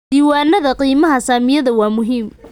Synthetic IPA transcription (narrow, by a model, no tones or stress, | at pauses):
d̪iːwaːnɐðɐqiːmɐɦɐsaːmɪjɐðɐwɑːmʊɦiːm